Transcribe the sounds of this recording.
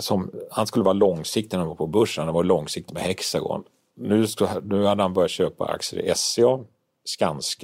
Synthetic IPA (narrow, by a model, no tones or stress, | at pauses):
sɔmhanskɵlːəvɑːɾalɔŋsɪk̚t̪nvaɾpʰɔbɵʂənd̪ɛvɔɾlɔŋsɪk̚t̪mɛhɛksaɡɔ̰n | nʉ̟ːsknʉ̟ːhad̪ːəhanbœɾjat̪ɕøːpa̰a̰ksəɾɪ̰ʔɛseɔ | skansk